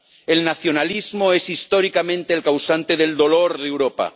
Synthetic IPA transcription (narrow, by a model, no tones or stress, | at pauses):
elnaθjo̞nalizmoesist̪oɾikamẽnt̪eːlkawsant̪eðe̞ld̪oloɾðewɾopa̰